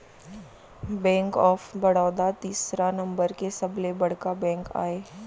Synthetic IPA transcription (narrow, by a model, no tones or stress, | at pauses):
bɛ̃ːŋkɔːfbɐɽɔːd̪at̪iːsɾanɐ̃mbəɾkesɐblebɐɽkabɛ̃ːŋka̰ːeː